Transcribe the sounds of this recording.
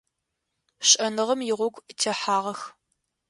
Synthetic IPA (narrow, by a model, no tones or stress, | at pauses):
ɕʼɐnɨʁɐmjɪʁʷɔɡʷʼtʰeħaːʁɐx